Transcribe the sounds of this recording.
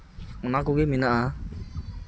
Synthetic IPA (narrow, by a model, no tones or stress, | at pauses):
unakuɡiminaʔa